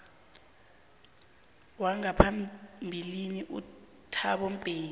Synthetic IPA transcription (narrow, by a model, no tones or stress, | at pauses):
waŋapʰambʱiliniʔṵ | tʰaɓɔm̩pʼeː